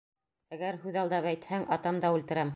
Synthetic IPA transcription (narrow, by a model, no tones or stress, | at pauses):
æɡæɾhʉðɑlˠd̪ɑpæjt̪hæŋʔɑt̪ɑmd̪ɑʉlt̪ɘ̆ɾæm